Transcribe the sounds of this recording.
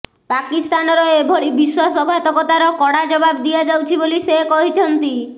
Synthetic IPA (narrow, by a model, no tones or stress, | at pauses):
pakist̪anɔɾɔebʱoɽibiswasɔɡʱat̪ɔkɔt̪aɾɔkɔɽad͡ʒɔbabd̪iad͡ʒawt͡ʃʰibolisekɔɦit͡ʃʰɔnt̪i